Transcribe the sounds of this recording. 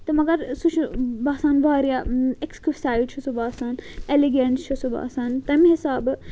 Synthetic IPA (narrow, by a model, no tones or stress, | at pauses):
t̪ɐmɐɡɐɾsut͡ʃʰubaːsaːnʋaːɾijaekskifsaːiɖt͡ʃʰusubaːsaːneliɡent͡ʃʰusuba̰ːsaːnt̪ɐmiɦisaːb